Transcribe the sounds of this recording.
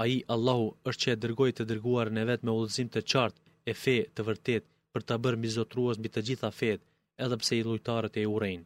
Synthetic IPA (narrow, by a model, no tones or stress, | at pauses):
aiʔalˠːahuəʃt̪t͡ʃəɛd̪əɾɡɔjt̪əd̪əɾɡuaɾnɛvɛt̪mɛulˠəzimt̪ət͡ʃaɾt̪ | ɛfɛt̪əvəɾt̪ɛt̪̚ | pəɾt̪abəɾmbizɔt̪ɾuɛsmbit̪əd͡ʑiθafɛt̪ | ɛðɛpsɛilˠujt̪aɾət̪ɛurɛjn